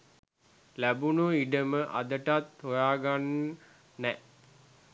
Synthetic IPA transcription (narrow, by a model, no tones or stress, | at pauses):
læbunuiɖəməʔa̰d̪əʈat̪hojaːɡanː | ɛʔ